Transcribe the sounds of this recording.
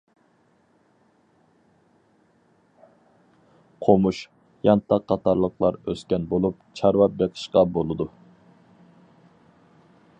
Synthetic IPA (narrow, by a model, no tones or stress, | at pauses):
qʰomuʃ | jɑnt̪ʰːɑqʰːɑt̪ɑɾlˠəqlˠɑɾøskʲɛnbolˠup̚t͡ʃʰɑɾwɑp̚beqʰə̥ʃqɑbolˠɨd̪u